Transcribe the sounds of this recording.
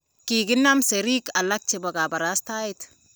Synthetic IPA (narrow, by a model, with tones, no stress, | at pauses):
kiːɡɪ˦nːa˦mse˨ɾi˦ka˨la˦k̚t͡ʃe˨ba˨ka˨bɐ˨ɾa˦sta˦ɪ˦t